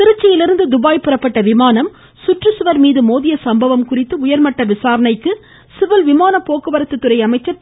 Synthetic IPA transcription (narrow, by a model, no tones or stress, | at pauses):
t̪ɪɾɯt͡ʃːɐjɪlɪɾɯnd̪ɯd̪ʊbaːjpɪrɐpːɐʈːɐʋɪmaːnɐm | sʊʈrɯsʊʋɐɾmiːðɯmoːðɪjɐsɐmbɐʋɐmkʊrɪt̪ːɯʊjɐɾmɐʈːɐʋɪsaːɾɐnɐɪkːɯ | sɪʋɪlʋɪmaːnɐpːoːkɯʋɐɾɐt̪ːɯt̪ːɯrɐɪɐmɐɪt͡ʃːɐɾ